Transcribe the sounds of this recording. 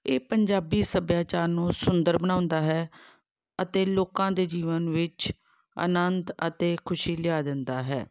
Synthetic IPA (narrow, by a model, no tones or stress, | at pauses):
eːpəɲd͡ʒaːbiːsəbjaːt͡ʃaːɾnũːsʊnd̪əɾbənãːʊ̃nd̪aːɦɛː | ət̪eːloːkãːd̪eːd͡ʒiːʋənʋɪt͡ʃ | ə̰nənd̪ə̰t̪eːkʰʊʃiːlɪaːd̪ɪnd̪aːɦɛ̰ː